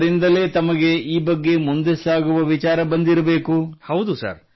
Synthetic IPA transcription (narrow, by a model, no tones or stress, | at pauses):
ɾind̪ɐle̞ːt̪ɐmɐɡe̞iːbɐɡːe̞mund̪esaːɡuʋɐʋit͡ʃaːɾɐbɐnd̪iɾɐbeːkuhɐwd̪usɐ̰ɾ